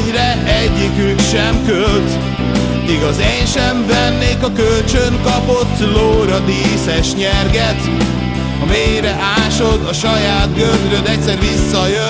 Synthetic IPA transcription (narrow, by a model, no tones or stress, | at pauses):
rɛ | ɛɟːikykʃɛmkølt̪ | iɡɒzɛɲʃɛɱvɛnːeːkɒkølt͡ʃøŋkɒpo̞t̪ːloːɾɒd̪iːsɛʃɲɛrɡɛt̪ | ɒmejɾɛʔaːʃo̞d̪ɒʃɒjaːt̪ɡøld̪ɾølɛc̚sɛɾvisːɒjø